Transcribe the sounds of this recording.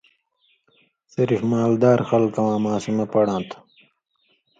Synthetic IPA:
siɾifmaːld̪aːɾxɐlkɐwãːmãːsimepɐɽãːnt̪ʰ

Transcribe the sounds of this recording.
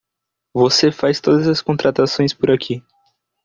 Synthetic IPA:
vosefajst̪od̪ɐzɐskõnt̪ɾat̪asõj̃spʊɾakʰi

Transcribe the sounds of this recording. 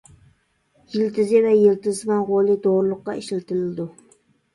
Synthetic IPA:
jɪlt̪ʰɪzɪvɛjɪlt̪ɪzmɑnʁolˠɪd̪oɾlˠʊqːɑeʃlt̪ʰɪlɪld̪ʊ

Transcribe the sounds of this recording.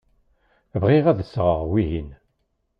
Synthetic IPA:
vʁiʁæðəsʁəʁwiɦin

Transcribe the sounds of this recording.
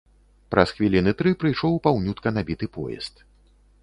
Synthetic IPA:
pɾɐsxvʲilʲinɨt̪ɾɨpɾɨjʂɔwpawnʲut̪kɐnabʲit̪ɨpɔ̰jɛ̰st̪

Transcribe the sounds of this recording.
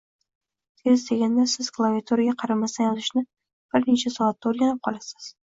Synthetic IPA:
t̪ʰezd̪eɡʲand̪asɪz̥klˠaviat̪ʰoɾɪɡʲaqʰɑɾamast̪anjɒzɪʃnɪ | b̥ɪɾnet͡ʃʰasɒat̪ːaoɾɡʲanɪp̚qʰɒlˠasɪ̥z̥

